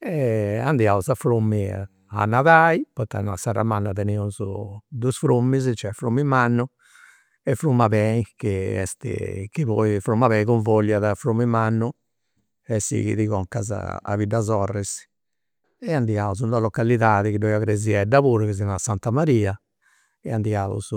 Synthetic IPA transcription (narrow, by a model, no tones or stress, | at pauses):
ɛand̪jauzafɾumːi | a̰nːaðaːipɔt̪a̰nasaɾa̰manːaðɛneuzṵd̪usfɾumːizt͡ʃɛfɾumːimanːu | ɛfɾumːaβɛikiɛ̰st̪ḭkiβɔifɾumːaβɛjkuɱvɔʎːaðafɾumːimanːu | ɛsḭkḭðiɣɔŋkaza̰a̰vid̪ːazɔrːɛs | ɛand̪iauzund̪alɔkːaliðaːðɛkidɔjaɣɾeziɛdːaβuːɾukizinasant̪amaɾiːa | ɛand̪iaːṵz̥